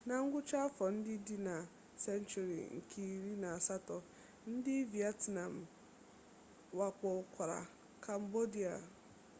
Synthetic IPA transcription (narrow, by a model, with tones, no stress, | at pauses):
na˨ŋ̩˦ɡʷʊ˦t͡ʃa˦fɔ˨n̩˦dɪ˦di˦na˨ | se˦n˦t͡ʃu˨ɾḭ˨ŋ̩˨kʰi˦˨ɾi˦na˨a˨sa˦tɔ˨ | n̩˦dɪ˦vi˨a˦tna˨m̩˨ | wa˨k͡pɔ˨kʷa˨ɾa̰˨ | kʰa˨m̩˨bo˦di˨a̰˨